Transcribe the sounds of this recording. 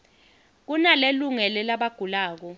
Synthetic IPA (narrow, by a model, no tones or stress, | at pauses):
k̬unaleluŋɛlɛlaɓaɡ̥ʱulaːk̬ɔ